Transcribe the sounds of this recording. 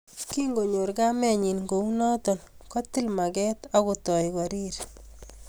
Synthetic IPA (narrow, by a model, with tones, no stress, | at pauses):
ki˦ŋɡo˨ɲo˨ɾɡa˦mɛ˦ɲi˨nɡo˨u˦nɔ˦tɔ˨nkɔ˦t̪ɪ˦lma˨ɡɛ˦t̪ɔ˦ko˨tɔ˨jkwa˨ɾi˦ɾ